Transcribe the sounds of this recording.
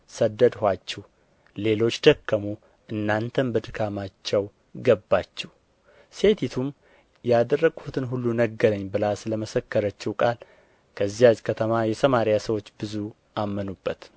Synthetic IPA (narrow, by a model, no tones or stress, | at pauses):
səd̪ːəd̪hʷat͡ʃːɛh | le̞lo̞t͡ʃːd̪əkːəmu | ʔɨnːant̪ʰəmbəd̪ɨkʰamat͡ʃːɛw | ɡəbːat͡ʃːɛh | se̞t̪ʰit̪ʰum | jɛad̪ərːəɡhut̪ʰɨnɦulːunəɡəɾəɲːbɨlasɨləməsəkːəɾət͡ʃːɛwkʼal | kʰəzːijazkʰət̪ʰəmajɛsʰəmaɾijasəwo̞t͡ʃːbɨzu | ʔamːənubːət̪